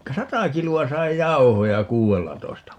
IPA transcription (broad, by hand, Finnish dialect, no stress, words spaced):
sɑtɑ kiluɑ sɑi jɑu̞hojɑ kuːelːɑtoistɑ